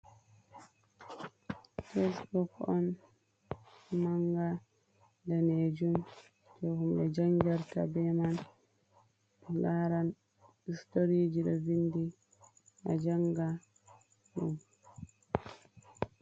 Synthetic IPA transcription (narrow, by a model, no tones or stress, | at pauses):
fesbukɔn | maŋɡa | daned͡ʒum | tɔhumɗɛd͡ʒaŋɡaɾta̰bɛman | ɛŋɡaːɾan | histoɾid͡ʒiɗɔ̰vindi | nad͡ʒaŋɡa | ɗum